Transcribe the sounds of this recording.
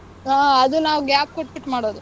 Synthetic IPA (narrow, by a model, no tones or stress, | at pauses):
aɐd̪unaːʋuɡaːp̚koʈːbiʈːmaːɽoːd̪u